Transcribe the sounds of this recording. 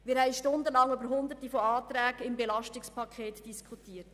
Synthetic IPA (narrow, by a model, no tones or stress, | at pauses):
mɪɾhɛɪʃtʊndəlɑŋybəɾɦʊnd̪ətifɔɑːt̪ɾæːɡɪmbelɑʃtɪkspʰɑkʰeːtd̥iskʰutiːət